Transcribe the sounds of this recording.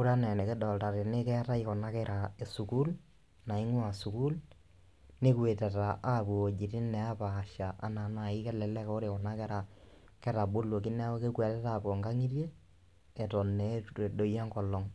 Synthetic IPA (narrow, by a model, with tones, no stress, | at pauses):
u˦ɾa˦nɛ˨ne˨ke˦dɔ˨lta˨ɾe˨ne˦kɛ˦ɾa˦ikɔ˨na˦kɛɾʔa˨e˨su˨ku˦l | na˨i˦ŋwa˨su˨ku˦l | ne˦kwe˨tɛ˨ta˨ʔa˦po˨o˨d͡ʒi˨tɪ˦nɛ˨a˦paː˨ʃa˨ʔa̰˦na˨na˦˨i˦kɛ˦lɛ˨lɛ˦ko˦ɾekɔ˨na˦kɛ˦ɾa˨ | kɛ˦ɾa˨bo˦lwo˨ki˦nɛ˦ke˦kwɛ˨tɛ˦ta˨po˨ŋɡa˦ŋi˦rje˦ | ɛ˨tɔ˨nɛ˨˦e˨do˨ja˦ŋkɔ˨lːɔ˨ŋ